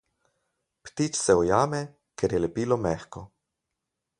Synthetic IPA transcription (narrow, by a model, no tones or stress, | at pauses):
pt̪it͡ʃsɛɔjaːmɛ | kɛɾjɛlɛpiːlɔmɛxkɔ